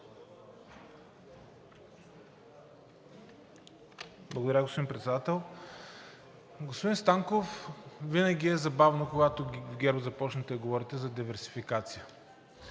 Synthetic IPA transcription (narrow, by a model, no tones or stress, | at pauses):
blˠɐɡod̪ɐɾʲaɡospod̪inpɾɛt̪sɛd̪at̪ɛlˠ | ɡospʊd̪inst̪aŋkofvinɐɡʲiɛzɐbavnokoɡat̪ovɡɛɾbzɐpɔt͡ʃnət̪ɛɡovɔɾit̪ɛzɐd̪ivɛɾsi̥fikat̪sijə